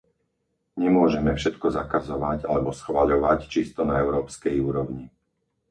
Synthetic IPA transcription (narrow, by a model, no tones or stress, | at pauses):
ɲɛmʊɔʒɛmɛfʃɛt̪kɔzakazɔʋaɟalɛbɔsxʋaʎɔʋact͡ʃist̪ɔnaɛʊɾɔːpskɛjuːɾɔʊɲi